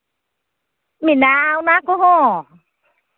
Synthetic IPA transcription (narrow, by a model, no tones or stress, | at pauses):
minawnakoho